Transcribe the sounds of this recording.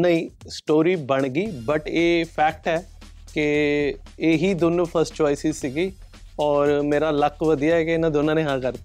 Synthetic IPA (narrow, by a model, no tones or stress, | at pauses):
nəĩːsʈoːɾiːbəɳɡiːbəʈeːpʰɛːk̚ʈɛː | kɪ | eːɦiːd̪oːnũːpʰəɾsʈt͡ʃɔːɪsiːsiːɡiː | ɔːɾmeːɾaːləkʋəd̪ijaːɛːkeɪnãːd̪oːnãːnẽːɦãːkəɾd̪eː